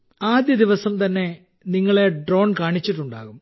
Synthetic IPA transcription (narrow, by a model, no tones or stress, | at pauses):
aːd̪jɐd̪iʋɐsɐmt̪ɐnːe̞ | niŋːɐɭe̞ɖro̞ːɳkaːɳit͡ɕːiʈːuɳɖa̰ːɣum